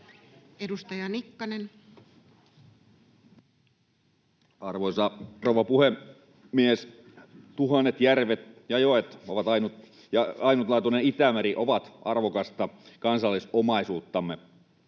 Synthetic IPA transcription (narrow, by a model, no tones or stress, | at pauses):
edust̪ɑjɑnikːɑnen | ɑrʋosɑrowʋɑpuhe | mies | t̪uɦɑnːet̪jærʋet̪̚jɑjoet̪oʋɑt̪ɑinut̪ | jɑɑinut̪lɑːt̪uneit̪æmæɾiʔoʋɑt̪ʔɑ̰rʋokɑst̪ɑkɑnsɑlːisomɑisuːt̪ːɑmːe